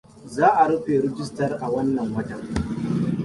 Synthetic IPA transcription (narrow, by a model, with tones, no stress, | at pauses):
zaː˦ʔa˨ɽɐ˦ɸeː˨ɾɪ˦d͡ʒɪ˦stɐ˨rʔa˨wɐ˦nːɐ˨ŋwɐ˦tɐ˨ŋ